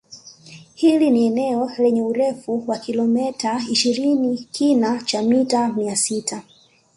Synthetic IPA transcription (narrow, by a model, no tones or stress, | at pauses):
hiliniɛnɛɔlɛɲɛuɾɛfuwakilɔmɛtaiʃiɾinikʰinat͡ʃamitamiasitʰa